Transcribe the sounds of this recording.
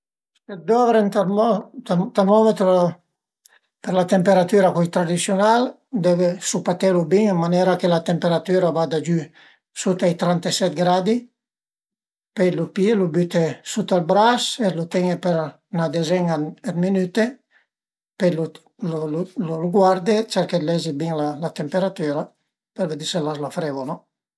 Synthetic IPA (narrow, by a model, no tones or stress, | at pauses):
set̪̚d̪ɔvɾent̪amɔt̪t̪amɔmet̪ɾo | peɾlat̪empeɾat̪yɾakujt̪ɾad̪isjonal | d̪ɛvesupat̪elubiŋəmːanɛɾakelat̪empeɾat̪yɾavad̪ad͡ʒy | sut̪ajt̪ɾant̪esɛt̪̚ɡɾad̪i | pejlupjelubyt̪esut̪albɾaselut̪ɛŋepeɾ | nad̪ezɛŋaad̪minyt̪e | pelu | lllluɡwaɾd̪et͡ʃɛɾkelɛzibiŋlalat̪empeɾat̪yːɾa | peɾved̪iselaslafɾevonɔ